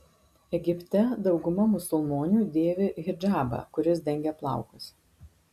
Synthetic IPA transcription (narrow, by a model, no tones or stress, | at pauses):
ɛɡʲɪpʲt̪ʲɛd̪ɒʊɡʊmɐmʊsʊlˠmoːnʲuːd̪ʲeːʋʲeɪɾd͡ʒʲæːbɐ̰kʊɾʲɪs̬d̪ʲɛŋʲɡʲɛplˠɑ̰ˑʊkʊs